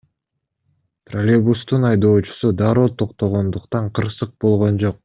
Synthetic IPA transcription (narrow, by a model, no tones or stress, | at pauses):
prolʲebust̪unɑjd̪o̞ːt͡ʃu̥sud̪ɑɾot̪ʰo̞qt̪o̞ʁo̞nd̪uqt̪ɑɴqʰɯɾsɯq̚bo̞lˠʁo̞nd͡ʒo̞q̚